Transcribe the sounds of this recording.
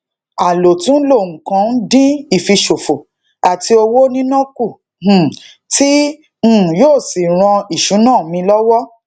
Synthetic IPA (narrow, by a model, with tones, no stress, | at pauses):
a˨lo˨tũ˨˦lo˦˨ŋ̩˨kã˧n̩˦dĩ˦i˦˨fi˧ʃo˨fo˨ | a˨ti˧o˧wo˦nĩ˦nɔ̃˦ku˦˨ | h̩˨ | tĩ˦˨ | joː˦˨si˨ɾ̃ɔ̃˧i˨ʃũ˨˦nãː˦˨mĩ˧lɔ˦wɔ˦